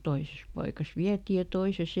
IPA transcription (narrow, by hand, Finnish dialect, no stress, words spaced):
toises pɑikɑs ʋiæti jɑ toises